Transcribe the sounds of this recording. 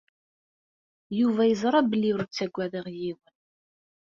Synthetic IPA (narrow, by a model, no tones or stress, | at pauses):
juvæjəzˤɾˤɑbəlːiɾut͡sːæɡʷːæðəʁjiwən